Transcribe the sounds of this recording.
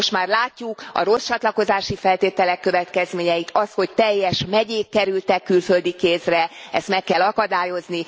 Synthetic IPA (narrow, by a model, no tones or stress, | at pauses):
oʃt̪maːrlaːcːukɒ̰ɾo̞st͡ʃɒt̪lɒko̞zaːʃifɛlt̪eːt̪ɛlɛkːø̞vɛt̪kɛzmeːɲɛjit̪ʰɒsho̞ct̪ɛjːɛʃmɛɟeːkːɛɾylt̪ɛkːylfø̞ld̪ikeːsrɛɛst̪mɛkːɛlɒkɒd̪aːjo̞zni